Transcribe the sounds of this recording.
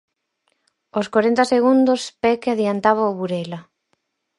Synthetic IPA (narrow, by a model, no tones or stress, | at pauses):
oskwaɾent̪ɐseɣund̪ospɛkaðiant̪aβaoβuɾɛla